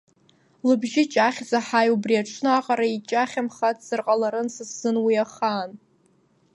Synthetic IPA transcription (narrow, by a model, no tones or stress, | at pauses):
lɨbʒɪt͡ʃʼaχʲd͡zaħajubriaʈ͡ʂʷʰnɨaqʼaɾait͡ʃʼaχʲamχatʰʼz̥ɨrqʼalaɾɨnsɨsːɨnwiaχaːn